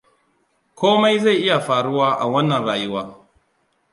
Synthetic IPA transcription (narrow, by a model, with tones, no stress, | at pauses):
kʷoː˦ma˦jza˦˨jʔɪ˦ja˨ɸaː˨ɽʊ˦waː˦ʔa̰˨wɐ˦nːɐ˨nɽaː˨jɪ˦waː˦